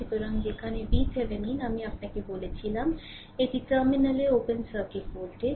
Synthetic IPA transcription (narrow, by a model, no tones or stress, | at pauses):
it̪oɾɐ̃ŋd̪ekʰanebiːseʋeninɐmĩɐpnakeboːlet͡ʃʰilam | ed̪iʈəːmɪnəleoːpənsəkɪʈ̚poːɾʈe